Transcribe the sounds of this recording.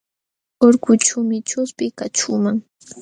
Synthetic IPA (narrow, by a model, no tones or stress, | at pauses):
oɾkʊt͡ʃʊmɪt͡ʃʊspɪkat͡ʃʊmaŋ